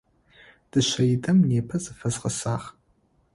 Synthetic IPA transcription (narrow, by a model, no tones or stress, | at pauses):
d̥ɨʃʷɐjidʰʼɨmneːpʰɐzɨfɐzqɐsaːχ